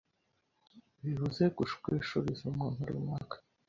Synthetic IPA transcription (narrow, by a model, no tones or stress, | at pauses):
βihuzekuʃkʷeʃuɾizumuːnhuɾṵmŋakḁ